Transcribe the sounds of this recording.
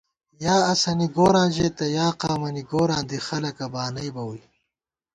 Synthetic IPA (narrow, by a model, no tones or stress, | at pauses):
jaːɐsɐniɡoːɾãːʑeːt̪ɐjaːqaːmɐniɡoːɾãːnd̪ixɐlɐkɐbaːnɐjbɐwuj